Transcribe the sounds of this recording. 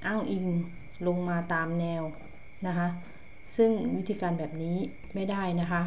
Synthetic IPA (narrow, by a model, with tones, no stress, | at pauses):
ʔaː˥˩ŋʔi˧ŋ | lo˧ŋmaː˧t̪aː˨˧mnɛː˧w | na˦˥kʰa˦˥ʔ | sɯ˥˩ŋwi˦˥t̪ʰiː˧kaː˨˧nbɛː˨˩p̚niː˦˥ | ma˥˩jda˥˩jna˦˥kʰa˦˥ʔ